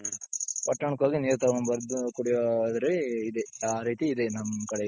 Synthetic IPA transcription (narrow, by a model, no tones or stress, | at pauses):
pɐʈːɐɳɐkːaːɡiniːɾt̪ɐːɐmbɐɾd̪ukuɽijod̪ɾeid̪eaːɾiːt̪iːd̪enɐmːɐkɐɽɐ